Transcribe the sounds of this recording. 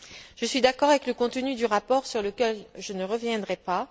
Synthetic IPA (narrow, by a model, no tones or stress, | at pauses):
ʒ̥əsɥid̪akɔʁavɛkləkɔ̃t̪ənyd̪yʁapɔʁsyʁləkʲɛlʒənəʁəvjɛ̃d̪ʁɛpa